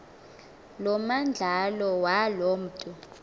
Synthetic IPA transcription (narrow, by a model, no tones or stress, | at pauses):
lɔmand͡ɮʱalɔwalom̩ːtʼu